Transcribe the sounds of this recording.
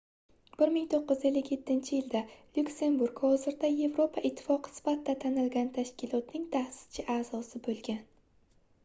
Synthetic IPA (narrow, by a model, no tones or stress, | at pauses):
b̥ɪɾmɪŋt̪ʰoqːɨzelːɪkʲje̞t̪ʰːɪnt͡ʃʰɪjɪld̪alʲʊkʲse̞nbuɾɡhɒzɪɾd̪aje̞vɾo̞pʰaʔɪt̪ʰːɪ̥fɒqʰɨ̥sɪ̥fat̪ːat̪ʰanɪlɡʲant̪ʰaʃkʲɪlˠɒt̪nɪŋt̪ʰahsɪ̥st͡ʃʰɪʔaːz̥ɒsɪbolˠɡʲan